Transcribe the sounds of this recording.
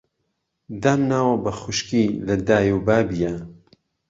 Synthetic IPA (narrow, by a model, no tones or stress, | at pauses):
d̪aːmnaːwɐbɐxʊʃkilɐd̪aːjubaːbija